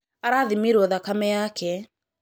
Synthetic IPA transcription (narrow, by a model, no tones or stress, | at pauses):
aɾaðimiɾɔðakamɛjakʰɛ